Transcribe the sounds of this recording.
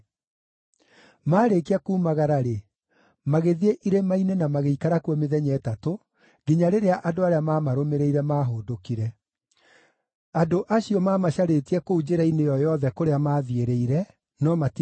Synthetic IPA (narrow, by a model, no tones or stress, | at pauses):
maːɾekiakuːmaɣaɾaɾe | maɣeðieʔiɾemainenamaɣeikaɾakuɔmeðɛɲɛːtato | ɡ̥iɲaɾeɾeaʔadoaɾeamaːmaɾomeɾeiɾɛmaːɦoːdokiɾɛ | adoʔaɕiɔmaːmaɕaɾetiɛkoud͡ʑeɾainejɔjɔðɛkoɾeamaːðieɾeiɾɛ | nɔmat